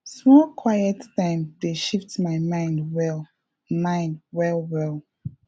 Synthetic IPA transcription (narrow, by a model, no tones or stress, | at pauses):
smɔlkʰwajɛttãɪ̃mdeʃiftmaɪmãɪ̃ndwɛlˠ | mãɪ̃nd̚wɛlwɛlˠ